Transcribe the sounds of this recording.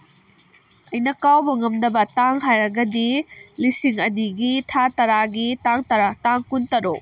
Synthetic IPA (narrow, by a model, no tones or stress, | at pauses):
ɐjnɐkawbɐŋɐmdɐbɐtaŋɦajɾɐɡɐdilisiŋɐniɡitʰatɐɾaɡitaŋtɐɾataŋkuntɐɾo